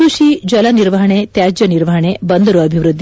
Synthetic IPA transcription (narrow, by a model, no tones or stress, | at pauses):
uʃid͡ʒɐlaniɾʋɐɦɐɳet̪jad͡ʒjɐniɾʋɐɦɐɳ̃ebənd̪ʱɐɾuɐbʱiʋɾud̪ʱːi